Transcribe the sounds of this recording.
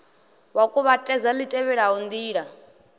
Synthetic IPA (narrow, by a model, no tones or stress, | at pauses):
wakʼuβatʼɛzalitʼɛβɛɺaɦɔnd̪iːɺa